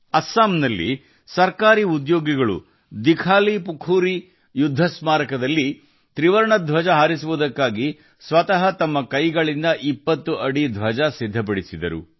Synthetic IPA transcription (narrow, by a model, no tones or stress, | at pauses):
ɐsːaːmnɐlːḭ | sɐɾkaːɾiud̪joːɡiɡɐɭṵ | d̪ikʰaːlipukʰuːɾi | jud̪ʱːɐsmaːɾɐkɐd̪ɐlːi | t̪ɾiʋɐɾɐɳɐd̪ʱʋɐd͡ʒɐɦaːɾisuʋud̪ɐkːaːɡi | sʋɐt̪ɐɦɐt̪ɐmːɐkɐjɡɐɭind̪ɐʔipːɐt̪ːuʔɐɽid̪ʱʋɐd͡ʒɐsid̪ʱːɐp̬ɐɽisid̪ɐɾṵ